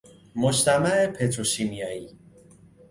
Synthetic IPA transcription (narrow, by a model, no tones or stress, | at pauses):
mod͡ʒt̪ʰæmæepʰet̪ʰɾoʃimijɒːiː